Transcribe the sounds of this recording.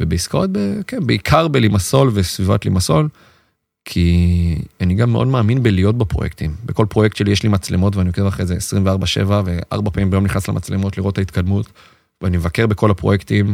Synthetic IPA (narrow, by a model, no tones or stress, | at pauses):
vebeiskaʁot̚bekenbeikʰaʁbelimaso̞lve̞sviva̰tlḭmaso̞l | kʰi | aniɡamːeo̞̰dmaːminbelijo̞t̚bapʁo̞̰jekt̪imbeko̞lpʁo̞jektʃelijeʃlimat͡slemo̞tveanijokevaχezeːsʁimveaʁbaʃe̞̰vave̞ʔa̰ʁbapamimbajo̞mniχnaslemat͡slemo̞tliʁo̞tːait̪kad̪mut | veanimevake̞ʁbe̞ko̞lapʁojektim